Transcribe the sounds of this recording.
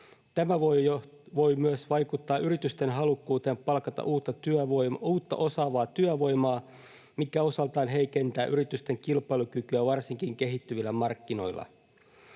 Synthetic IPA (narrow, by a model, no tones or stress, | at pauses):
t̪æmæʋojo | ʋo̞jmyøsʋɑjkut̪ːɑːʔyɾit̪yst̪e̞nɦɑlukːuːt̪eːmpɑlkɑt̪ɑ̰ʔuːt̪ːɑt̪yœʋojuːt̪ːɑ̰ʔo̞sɑʋɑːt̪yæʋo̞jmɑː | mikæo̞sɑlt̪ɑːnɦe̞jke̞nt̪æːʔyɾit̪yst̪e̞ŋkilpɑjlukykyæʋɑrsiŋkiŋke̞ɦit̪ːyʋilːæmɑrkːino̞jlːɑ̰